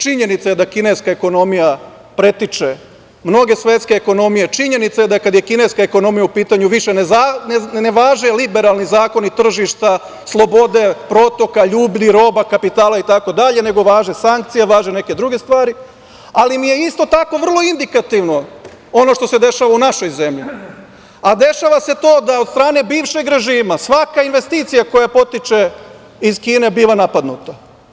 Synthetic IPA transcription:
t͡ʃiɲe̞nit̪sajed̪akine̞skaeko̞no̞mija | pɾe̞t̪it͡ʂe̞ | mno̞ɡe̞sʋe̞t̪ske̞eko̞no̞mije̞t͡ʃiɲe̞nit̪sajed̪akad̪je̞kineskaeko̞no̞mijaupiːt̪aɲuʋiʃe̞nezanneʋaːʒelibe̞ɾalˠnizaːko̞nit̪r̩ʒiʃt̪a | slˠo̞bo̞d̪e̞pɾo̞t̪o̞kaʎuːbʎiɾo̞ːbakapit̪aːlait̪ako̞d̪aʎe̞ne̞ɡo̞ʋaːʒesaŋkt̪sijeʋaːʒene̞ke̞d̪ɾuɡe̞st̪ʋaːɾi | alimije̞ist̪o̞t̪ako̞ʋr̩lˠo̞ind̪ikat̪iʋno̞ | o̞no̞ʃt̪o̞se̞d̪e̞ʃaʋaunaʃo̞jze̞mʎḭ | ad̪e̞ʃaʋase̞t̪o̞ːd̪aod̪st̪ɾaːne̞biːʋʃe̞ɡɾe̞ʒiːmasʋakainʋe̞st̪iːt̪sijako̞japo̞t̪it͡ʃe̞ | izkiːne̞biːʋanapad̪nṵt̪a

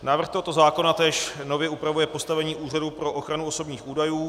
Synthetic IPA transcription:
naːvr̩xt̪oɦo̞t̪ozaːko̞nat̪ɛːʃno̞vjɛupɾavujɛpo̞st̪avɛɲiːʔuːraduːpɾo̞ʔoxɾanuoso̞bɲiːxʔuːdajuː

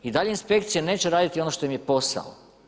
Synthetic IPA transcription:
id̪aʎeinspe̞kt̪sijene̞ːt͡ɕeɾaːd̪it̪io̞noʃt̪o̞jimje̞po̞sa̰o̰

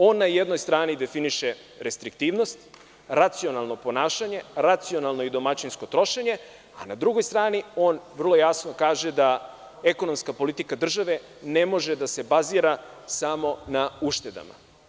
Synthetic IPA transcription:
o̞ːnːajed̪no̞jst̪ɾaːnid̪e̞finiʃe | ɾe̞st̪ɾik̚t̪iːʋno̞st̪ | ɾat̪sio̞nalˠno̞po̞naːʃaɲe̞ɾat̪sio̞nalˠno̞id̪o̞mat͡ɕinsko̞t̪ɾo̞ʃeɲe̞ | anad̪ɾuɡo̞jst̪ɾaːnio̞ːnʋr̩lˠo̞jasno̞kaːʒe̞d̪a | e̞kono̞mskapo̞lit̪ikad̪r̩ʒaʋe̞ | ne̞mo̞ʒe̞d̪ase̞baziːɾasamo̞nauʃt̪e̞d̪a̰ma̰

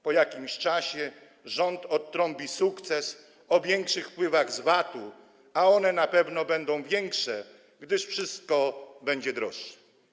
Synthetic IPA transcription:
pɔjakʲimɕt͡ʂaɕɛ | ʐɔnt̪ɔt̪ːɾɔ̃mpʲisukt̪sɛs | ɔvʲjɛŋkʂɘxfpwɘvaɣzvat̪u | aɔnɛnapɛvnɔbɛnd̪ɔ̃w̃vʲjɛŋkʂɛ | ɡd̪ɘʂfʂɘst̪̚kɔbɛɲd͡ʑɛd̪ɾɔʂːɛ̥

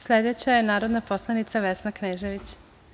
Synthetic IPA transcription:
slʲed̪et͡ɕajenaːɾo̞d̪napo̞slˠanit̪saʋesnakneːʒeʋit͡ɕ

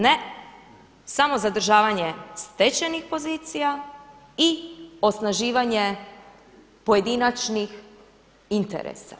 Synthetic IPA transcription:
ne | samo̞zad̪ɾ̩ʒaːʋaɲest̪et͡ɕenixpo̞ziːt̪sija | io̞snaʒiːʋaɲe | po̞je̞d̪inat͡ʃnix | int̪ḛɾḛsa̰

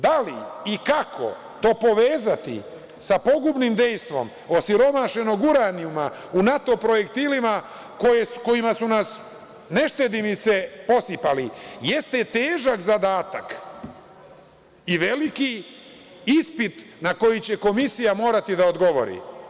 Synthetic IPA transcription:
d̪aliikakʰo̞̰ | t̪o̞ːpo̞ʋeːzat̪ḭ | sapo̞ɡubnimd̪e̞jst̪ʋo̞̰m | o̞siɾo̞maʃe̞no̞ɡuɾaniuma | unat̪o̞pɾo̞je̞kt̪iːlima | ko̞jesko̞imasunas | ne̞ʃt̪e̞d̪imit̪se̞po̞sipalije̞st̪e̞t̪eːʒakzad̪aːt̪ak | iʋe̞liki | ispit̪nako̞jit͡ɕe̞ko̞misijamo̞ːɾat̪id̪aod̪ɡo̞ʋo̞̰ɾḭ

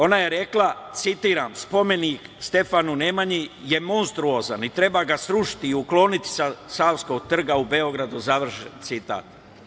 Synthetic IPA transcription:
o̞naje̞ɾe̞klˠat̪sit̪iːɾamspo̞me̞nikst̪e̞fanunemaɲije̞mo̞nst̪ɾuo̞ːzanit̪ɾe̞baːɡasɾuʃi̥t̪iiuklo̞ːnit̪i̥sasaːwsko̞ɡ̚t̪r̩ɡaube̞o̞ɡɾad̪uzaʋr̩ʃent̪sit̪a̰ːt̪

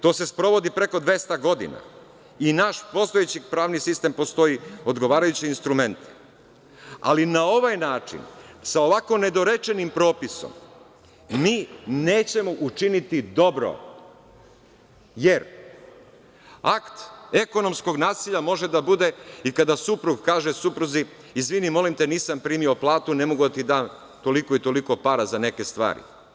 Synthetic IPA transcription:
t̪o̞ːse̞spɾo̞ʋo̞d̪ipɾeko̞d̪ʋe̞st̪aɡo̞d̪ḭna̰ | inaʃpo̞st̪oet͡ɕipɾaːʋnisist̪empo̞st̪o̞io̞d̪ɡo̞ʋaːɾajut͡ɕiinst̪ɾume̞nt̪i̥ | a̰linao̞ʋajnaːt͡ʃḭnsao̞ʋako̞ne̞d̪o̞ɾe̞t͡ʃe̞nimpɾo̞ːpiso̰m | miːne̞ːt͡ɕe̞mo̞ʔut͡ʃinit̪id̪o̞bɾo̰ | je̞ɾ | akt̪e̞ko̞no̞msko̞ɡnaːsiʎamo̞ʒe̞d̪abud̪e̞ikad̪asupɾuɡkaːʒesupɾuzi | izʋinimo̞limt̪e̞niːsampɾiːmioplˠaːt̪une̞moɡud̪at̪id̪aːn | t̪o̞liko̞it̪o̞liko̞paɾazane̞ke̞st̪ʋa̰ːɾḭ

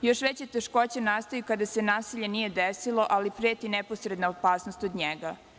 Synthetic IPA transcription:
jo̞ʃʋet͡ɕet̪eʃko̞t͡ɕenast̪ojukad̪ase̞naːsiʎe̞nije̞d̪esilo̞ʔalipɾet̪ineposɾed̪naopaːsnost̪od̪ɲeɡa

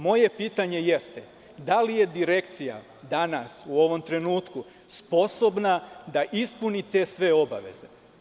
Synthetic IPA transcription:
mo̞je̞piːt̪aɲe̞jest̪e | d̪alije̞d̪iɾe̞kt̪sija̰ | d̪anasuo̞ʋo̞mt̪ɾe̞nuːt̪ku | spo̞so̞bnad̪aʔispunit̪e̞ːsʋe̞o̞ba̰ʋe̞̰ze̞̰

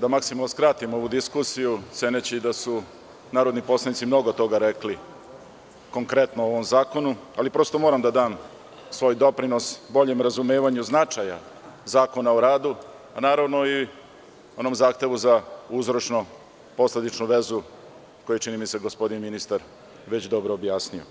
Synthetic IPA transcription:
d̪amaksimalˠnoskɾat̪imo̞ʋud̪iskusijut̪seːnet͡ɕid̪asu | naːɾod̪nipo̞slanit̪simno̞ɡot̪o̞ɡaɾekli | ko̞ŋkɾe̞t̪nooʋomzaːko̞nualipɾo̞st̪o̞moɾamd̪ad̪aːm | sʋo̞ːjd̪o̞pɾino̞sbo̞ʎemɾazumeːʋaɲuznat͡ʃaja̰ | zaːko̞naoɾaːd̪u | anaːɾaʋno̞i | o̞nomzaːxt̪e̞ʋuzauzɾo̞t͡ʃno | po̞sle̞d̪it͡ʃnuʋe̞zu | ko̞jet͡ʃinimiseɡo̞spo̞d̪inminist̪aɾ | ʋet͡ɕd̪o̞bɾoːbjaːsnio̰

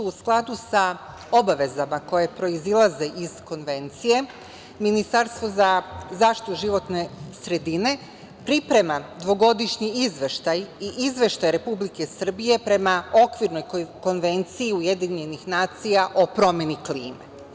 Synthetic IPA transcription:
uusklˠad̪usa | o̞baʋe̞zamako̞je̞pɾo̞izilˠaze̞ʔiz̥ko̞nʋe̞nt̪sije̞ | minist̪aɾst̪ʋo̞zazaːʃt̪i̥tit̪uʒiʋo̞t̪ne̞sɾe̞d̪ine̞ | pɾipɾe̞mad̪ʋo̞ɡo̞d̪iʃɲiizʋeʃt̪ajiʔizʋe̞ʃt̪ajɾe̞publike̞sr̩bije̞pɾe̞mao̞kʋiɾno̞jko̞nʋe̞nt̪siːuje̞d̪iɲe̞nixnaːt̪sijaʔo̞pɾo̞mje̞nikliːme

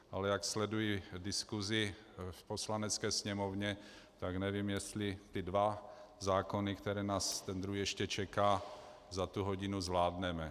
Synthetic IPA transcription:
ʔalɛjakslɛdujidɪskuzɪ | fpo̞slanɛt͡skɛːsɲɛmovɲɛ | t̪aɡnɛvimjɛst̪lɪt̪ɪdvazaːkonɪkt̪ɛɾɛːnaːst̪ɛnd̪ɾuɦijɛʃcɛt͡ʃɛkaː | zat̪uɦoɟɪnuzvlaːdnɛmɛ

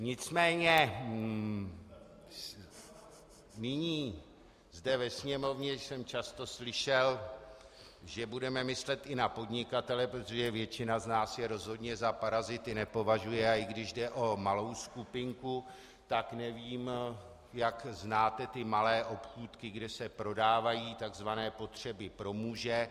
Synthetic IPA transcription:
ɲɪt͡smɛːɲɛ | nɪɲiː | zdɛvɛsɲɛmo̞vɲɛsɛmt͡ʃast̪o̞slɪʃɛl | ʒɛbudɛmɛmɪslɛt̪ʔɪnapo̞dɲɪkat̪ɛlɛpɾot̪o̞ʒɛvjɛt͡ʃɪnaznaːsjɛɾo̞zɦo̞dɲɛzapaɾazɪt̪ɪnɛpo̞vaʒujɛaɪɡdɪʒdɛʔo̞malo̞wskupɪŋku | t̪aknɛviːm | jakznaːt̪ɛt̪ɪmalɛːʔo̞pxuːt̪kɪɡdɛsɛpɾo̞daːvajiːt̪aɡzvanɛːpo̞t̪r̝̥ɛbɪpɾo̞muːʒɛ

